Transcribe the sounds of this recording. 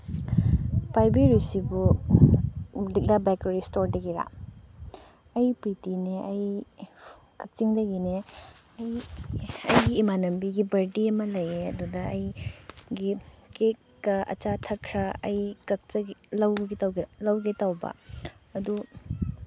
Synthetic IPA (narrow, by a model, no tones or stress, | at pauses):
pajbiɾusibu | dik̚labɛk̚teɾistoɾdɐɡiɾa̰ | ɐjpɾitineʔɐj | kɐk̚t͡ʃiŋdɐɡine | ɐj | ɐjɡiːmanɐmbiɡibɐɾdiɐmɐlɐjeɐ̰dudɐɐjɡikekːɐɐ̰t͡ʃatʰɐkʰɾɐɐjkɐk̚tɐɡlɐwɡlɐwɡetawbɐ̰ɐdu